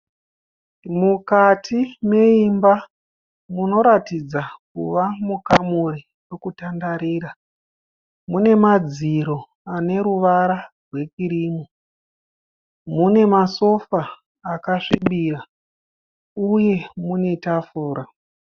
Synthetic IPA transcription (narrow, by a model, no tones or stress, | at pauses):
mukatʰime̞imba | muno̞ɾatid͡zakuʋamukamuri | wekutandaɾiːɾa | mune̞mad͡ziɾo̞ | ane̞ɾuʋaɾa | rwe̞kiɾiːmo | mune̞maso̞faː | kaʂiɓira | uje̞mune̞tafuːɾa